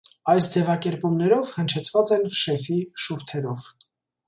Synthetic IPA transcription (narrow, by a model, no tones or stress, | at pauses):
ɑjsd͡zɛvɑkɛɾpumnɛɾɔvhənt͡ʃʰɛt͡sʰvɑt͡sɛnʃɛfiʃuɾt̪ʰɛɾɔv